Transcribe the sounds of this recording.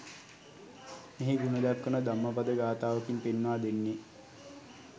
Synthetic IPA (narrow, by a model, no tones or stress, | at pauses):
meɦiɡunəd̪æpkːənəd̪amːəpad̪əɡaːt̪aːʋəkinpenːʋaːd̪enːi